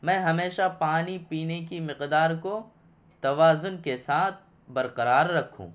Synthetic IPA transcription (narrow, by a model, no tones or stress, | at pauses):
mɛ̃ːɦɐmeːʃapaːnipiːnekimɪqd̪aːɾko | t̪ɐʋaːzʊnkesaːt̪̚ʰ | bɐɾqɐɾaːɾːɐkʰːṵ̃ː